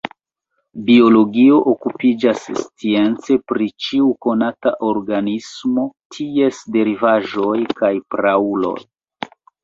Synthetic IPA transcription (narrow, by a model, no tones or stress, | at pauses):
bio̞lo̞ɡio̞ʔokupid͡ʒasːt͡sie̞nt͡se̞pɾit͡ʃiuko̞nataʔo̞ɾɡanismo̞tʰie̞sde̞ɾivaʒo̞jkajpɾaulo̞̰j